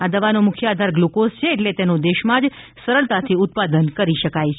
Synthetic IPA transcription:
ad̪əʋanomʊkʰjəad̪ʱaɾɡlokost͡ʃʰeːʈlet̪enõd̪eʃmãd͡ʒ | səɾəɭt̪at̪ʰiʊt̪̚pad̪ənkəɾiʃəkajt͡ʃʰ

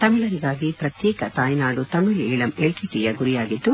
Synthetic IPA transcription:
t̪ɐmiɭɐɾiɡaːɡipɾɐt̪jɛːkɐt̪aːjnaːɽut̪ɐmiɭiːɭɐmeɭʈiʈijɐɡuɾijaːɡit̪ːu

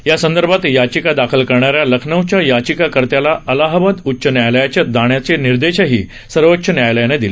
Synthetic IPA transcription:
jasənd̪əɾbʱat̪jat͡ɕikad̪akʰəlkəɾɳaɾjaləkʰnəʋt͡ɕjajat͡ɕikakəɾt̪jalaʔəlaɦəʋəd̪utːɕʰənjajləjat͡ɕjad̪aɳ̃jat͡seniɾd̪eɕəɦḭː | səɾʋətːɕʰənjajləjaned̪ile

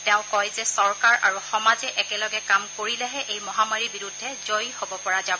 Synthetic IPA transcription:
tɛʊ̃kɔjzɛsɔɹkaɹʔa̰ɹuxɔmazɛʔɛkɛlɔɡɛkamkoɹilɛɦɛʔejmɔɦamaɹibiɹudʱːɛzojhobɔpɔɹazab

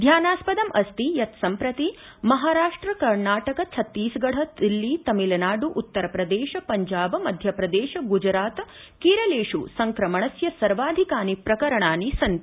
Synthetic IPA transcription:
d̪ʱjaːnaːspɐd̪ɐmʔɐst̪ijɐt̪sɐmpɾɐt̪i | mɐɦaːɾaːʂʈɾɐkɐɾnaːʈɐkɐt͡ʃʰɐt̪ːiːsɡɐɽ̤ɐd̪ilːit̪ɐmilɐnaːɖuʔːt̪ːɐɾɐpɾɐd̪eːʃɐpɐɲd͡ʒaːbɐmɐd̪ʱjɐpɾɐd̪eːʃɐɡud͡ʒɾaːt̪ | kiːɾɐleːʂusɐŋkɾɐmɐɳɐsjɐsɐɾʋaːd̪ʱikaːnipɾɐkɐɾɐɳaːnisɐn

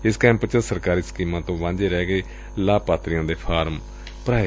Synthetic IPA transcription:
ɪskɛ̃ːmpət͡ʃəsəɾkaːɾiːsə̥kiːmãːt̪õːʋãːɲd͡ʒeːɾɛːɡeː | laːpaːt̪ɾɪjãːd̪eːpʰaːɾm | pəɾaːe

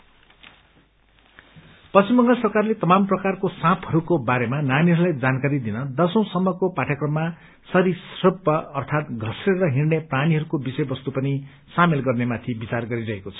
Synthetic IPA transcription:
pʌst͡ɕimbʌŋɡʌsʌrkarlet̪ʌmamprʌkarkosãpʰʌɾukobaɾemananiɦʌɾulajd͡zankaɾid̪inʌd̪ʌsʌ̃w̃sʌmːʌkopaʈʰʌkrʌmːa | sʌɾisrʌbʌːrt̪ʰat̪ɡʱʌsreɾʌɦirnepraniɦʌɾukobisʌjbʌst̪upʌni | samelɡʌrnemat̪ʰibit͡sarɡʌɾiɾʌɦekot͡sʰʌ̥

